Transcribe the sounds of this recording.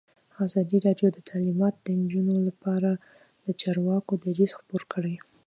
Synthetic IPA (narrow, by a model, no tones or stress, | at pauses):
ɑzɑd̪iɾɑɖjod̪ət̪ʰalimɑt̪d̪ənd͡ʒunolapɑɾa | d̪̥ət͡ʃɑɾwɑkod̪aɾizxpoɾkəɽej